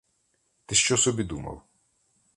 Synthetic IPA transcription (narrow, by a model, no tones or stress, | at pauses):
t̪ɪʃt͡ʃɔsɔbʲid̪umɐ̰w